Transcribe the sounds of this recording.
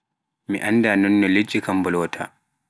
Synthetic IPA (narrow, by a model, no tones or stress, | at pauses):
mḭʔandaːnɔnːɔled͡ʒːikambɔlɔːtʰa̰